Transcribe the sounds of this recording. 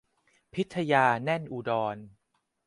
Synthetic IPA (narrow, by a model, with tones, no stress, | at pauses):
pʰi˦˥t̪ʰːa˧jaː˧nɛ˥˩nʔuː˧dɔː˧n